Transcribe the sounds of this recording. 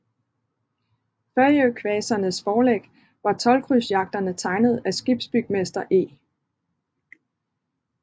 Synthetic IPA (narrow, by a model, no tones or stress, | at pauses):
fɶɐjøkʰʋɛːsɐnəsfɒːleɡ̥ | ʋɑ̈t͡sʰɒ̽lkʰʁysjɑ̈ɡ̥̚d̥ɐnət͡sʰɑ̈ɪnð̞̩ˠæsɡ̥ib̥sb̥yɡ̥̚mesd̥ɐʔe̝̰ː